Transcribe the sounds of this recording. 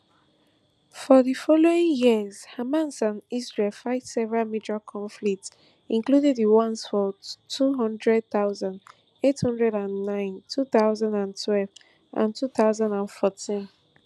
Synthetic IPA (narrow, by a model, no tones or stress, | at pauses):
fɔðifɔloĩŋjiəz̥hamãnsãnizɹelfaɪtsɛvəɹalmid͡ʒakʰɔ̃ɱflik̚ts | ĩŋkludɛðiwɔ̃nsfɔtʰuɦʌ̃ndɹɛd̚θaʊzãnd | ethʌ̃ndɹɛdãnːãɪ̃ntʰuθaʊzãndãntʰwɛlv | ʔã̰ntʰuθaʊzãndãnfɔtĩn